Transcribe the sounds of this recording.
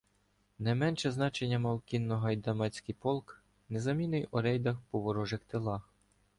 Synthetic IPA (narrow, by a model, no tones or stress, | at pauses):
nɐjmɛnʃɛznɑt͡ʃenʲːɐmɐwkʲinːɔɦɐjd̪ɐmɑt͡sʲkɪjpɔlˠk | nɛzɐmʲinɪjɔɾɛjd̪ɐxpɔʋɔɾɔʒɪxt̪elˠɑx